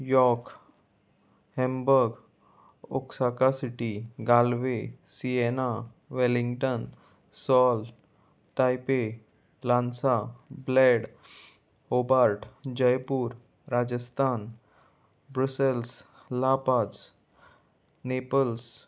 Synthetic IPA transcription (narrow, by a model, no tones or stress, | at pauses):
jɔɾk | hɛ̃mbəɾɡ | oksakasiʈiɡalʋesiena | ʋɛliŋɡʈən | sɔl | t̪ajpe | lansablɛɽ | obaɾʈd͡ʑəjpuːɾ | ɾad͡ʑəst̪ʰan | bɾusəls | lapat͡s | nepəls